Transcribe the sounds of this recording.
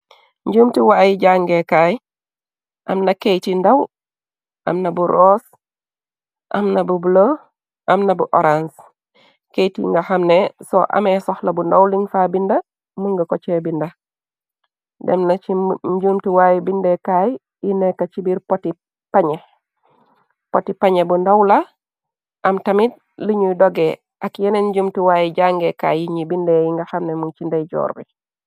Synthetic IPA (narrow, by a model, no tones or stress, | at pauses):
ɲɟuːmtiwaːjiɟaŋɡekaːj | ʔɐmnɐkejtindɐw | ʔɐ̰mnɐbuɾʔɔːs | ʔɐ̰mnɐbubulo | ʔɐmnɐbuʔɔɾans | kejtḭŋɡaxɐmnesɔʔa̰mesɔhlɐbundɐwliŋfaːbindɐ | muŋɡɐkot͡ʃebindɐ | dɛmnɐt͡ʃiɲɟumtiwajibindɛkaj | jinekat͡ʃibiɾpoti | paɲe | potipaɲebundawla | ʔɐmtɐmit̚ | liɲudɔɡɛ | ʔakjenenɟumtiwaːjiɟaŋɡeka̰ːjiɲibindejiŋɡɐxamnemuŋt͡ʃindejɟɔ̰ːɾbi